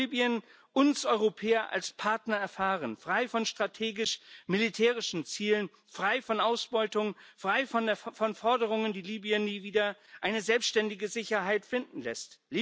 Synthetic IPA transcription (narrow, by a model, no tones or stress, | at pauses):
iːbiən | ʔʊnsʔɔʏʁopʰɛːɐʔa̰lspʰaɐtnɐɛɐfaːʁənfʁ̥aɪfɔnʃtʁ̥atʰeːɡɪʃmilitʰɛːʁɪʃn̩t͡siːlən | fʁ̥aɪfɔnʔaʊsb̥ɔʏtʊŋfʁ̥aɪffɔnfɔɐdəʁ̞ʊŋəndiːliːbiənniːviːdɐʔaɪnəzɛlpstʃtɛndɪɡəzɪçɐɦaɪtfɪndn̩lɛ̰stli